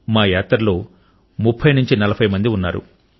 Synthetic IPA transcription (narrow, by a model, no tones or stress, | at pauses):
maːjaːt̪ɾɐlo̞ː | mupʰːɐjnuɲt͡ʃinɐlɐpʰɐjmɐnd̪iunːa̰ːɾṵ